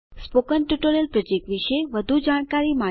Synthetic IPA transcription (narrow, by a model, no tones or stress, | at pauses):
spokənʈjuʈoɾiəlpɾɔd͡ʒekʋiʃeʋəd̪ʱud͡ʒaɽ̃kaɾima